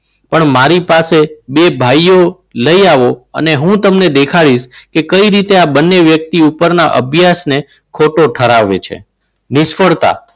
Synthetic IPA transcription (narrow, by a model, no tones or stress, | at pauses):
pəɳmaɾipasebebʱajo | ləiaʋoə̰neɦũt̪əmned̪ekʰaɭiʃkekəiɾit̪eabənːeʋjək̚t̪iupəɾnaʔə̰bʱjasne | kʰoʈoʈʰəɾaʋḛt͡ʃʰḛ | nɪʃfəɭt̪a̰